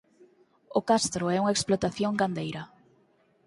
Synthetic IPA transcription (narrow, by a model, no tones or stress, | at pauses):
ʊkast̪ɾʊɛuŋɐeksplot̪aθjoŋɡand̪ejɾɐ